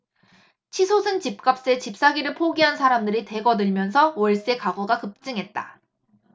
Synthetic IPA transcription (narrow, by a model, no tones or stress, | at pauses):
t͡ɕʰisʰosʰɯnt͡ɕip̚k͈ap̚s͈e̞t͡ɕip̚s͈aɡiɾɯɭpʰoɡiɦansʰaɾamdɯɾite̞ɡʌdɯɭmjʌnsʰʌwʌɭs͈e̞kaɡoɡakɯp̚t͡ɕ͈ɯŋɦe̞t̚t͈a̰